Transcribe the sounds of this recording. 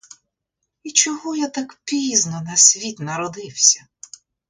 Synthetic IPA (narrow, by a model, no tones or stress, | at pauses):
it͡ʃɔɦɔjat̪akpʲiznɔnɐsʲʋʲit̪ʲnɐɾɔd̪ɪwsʲɐ